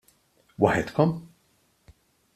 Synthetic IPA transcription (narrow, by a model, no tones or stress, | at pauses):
wɐħɛt̪kɔm